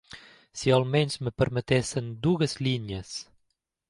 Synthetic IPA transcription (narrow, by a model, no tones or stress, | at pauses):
sialmensməpəɾmət̪esənd̪uɣəzliɲəs